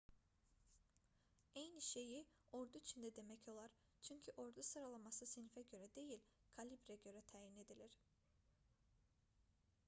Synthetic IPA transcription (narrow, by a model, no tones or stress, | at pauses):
ejniʃe̞jio̞ɾd̪uit͡ʃʰind̪ɛd̪e̞mɛcʰo̞lˠaɾ | t͡ʃʰyɲcʰyʔo̞ɾd̪usɯɾalˠamasɯsinfɛɟø̞ɾɛd̪e̞jilʲkʰalʲibɾɛɟø̞ɾɛt̪ʰaːjine̞d̪ilʲiɾ̥